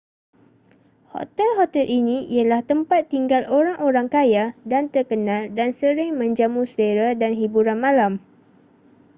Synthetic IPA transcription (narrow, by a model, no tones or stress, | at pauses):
hɔ̰t̪ɛlɦɔt̪ɛlʔinĩialaht̪əmpat̪ːiŋɡalʔoɾaŋʔoɾaŋkajadant̪ərkənãldansəɾɪŋmə̃ɲd͡ʒamusədeɾadanɦibuɾanmãlam